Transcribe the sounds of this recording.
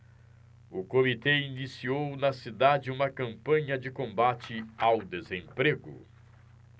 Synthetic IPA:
ʊkomit̪ɛinisiownɐsid̪ad͡ʒɪũmɐkɐ̃mpɐ̃ɲɐd͡ʒɪkõbat͡ʃɪawd̪ezẽmpɾeɡʊ̰

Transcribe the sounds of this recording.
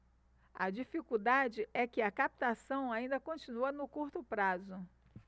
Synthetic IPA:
ɐ̰d͡ʒifikud̪ad͡ʒɪʔɛkɪɐkap̚t̪asɐ̃w̃aĩnd̪ɐkõt͡ʃinuɐnʊkuɾt̪ʊpɾazʊ

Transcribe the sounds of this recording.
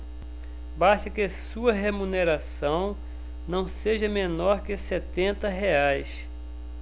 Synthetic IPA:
baʃt̪ɐkɪɐsuɐɦemũneɾasɐ̃w̃ | nɐ̃w̃seʒɐmenɔɾkɪset̪ẽnt̪ɐɦeajs

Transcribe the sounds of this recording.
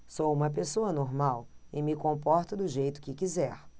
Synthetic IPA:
sowũmɐp̬esoɐnoɾmawɪmɪkõpɔɾt̪ɐd̪ʊʒejt̪ʊ̥kɪkizɛɾ

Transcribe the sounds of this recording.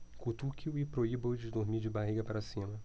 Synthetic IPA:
kut̪ukʲiuɪpɾoibõwd͡ʒɪd̪oɾmid͡ʒɪbaɦiɡɐpaɾasĩmɐ

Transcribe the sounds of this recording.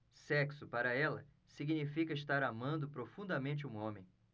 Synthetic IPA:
sɛksʊpaɾɐɛlɐ | siɡinifikɐɪst̪aɾamɐ̃nd̪ʊpɾofũnd̪ɐmẽnt͡ʃɪũõmẽj̃

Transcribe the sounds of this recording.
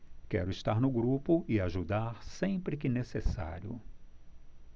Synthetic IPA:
kɛ̰ɾʊɪst̪aɾnʊɡɾupʊɪaʒud̪aɾsẽpɾɪkɪnesesa̰ɾjʊ̰

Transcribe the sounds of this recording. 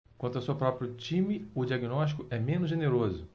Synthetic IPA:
kwɐ̃t̪asewpɾɔpɾiʊt͡ʃĩmɪʊd͡ʒiaɡinɔʃt͡ʃi̥kʊɛmẽnʊzʒeneɾozʊ

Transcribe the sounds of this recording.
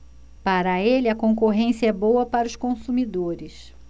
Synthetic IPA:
paɾɐelɪɐkõŋkoɦẽsiɐɛbowɐpaɾɐʊskõsumid̪oɾɪs

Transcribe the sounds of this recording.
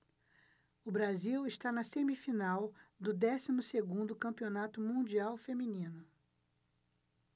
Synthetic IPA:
ʊbɾaziwɪʃt̪anɐsẽmifinawd̪ʊd̪ɛsimʊseɡũnd̪ʊkɐ̃mpionat̪ʊmũd͡ʒiawfemĩnĩnʊ

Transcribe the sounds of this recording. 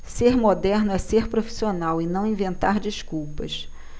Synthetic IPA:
seɾmod̪ɛɾnʊɛseɾpɾofi̥sionawɪnɐ̃w̃ĩvẽnt̪aɾd͡ʒiʃkuwpɐʃ

